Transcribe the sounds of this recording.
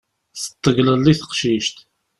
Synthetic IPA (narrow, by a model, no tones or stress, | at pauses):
θə̥t̪ˤːəɣləlːiθə̥qʃiʃt̪